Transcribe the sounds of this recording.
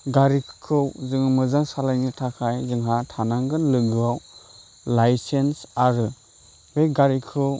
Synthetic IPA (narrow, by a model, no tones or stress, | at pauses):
ɡaɾikʰɯwzɯŋmɯzaŋsalajnitʰakʰajzɯŋɦatʰanaŋɡɯnlɯɡɯaw | lajsensaɾɯ | bejɡaɾikʰɯw